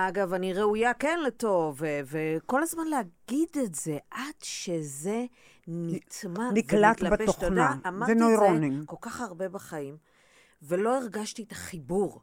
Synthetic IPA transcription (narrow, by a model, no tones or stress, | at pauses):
aɡavaniʁe̞ujakenleto̞veveko̞lazmanleaɡidetze̞ʔad̥ʃe̞ze̞ | nit̪maniklat̪lbeboχonaːmaʁzenojʁonimko̞lkaχaʁbe̞baχaim | ve̞lo̞eʁɡaʃtietaχibuʁ